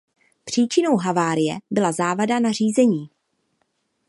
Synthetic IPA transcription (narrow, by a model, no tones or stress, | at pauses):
pr̥iːt͡ʃɪno̞wɦavaːɾɪjɛbɪlazaːvadanar̝iːzɛɲiː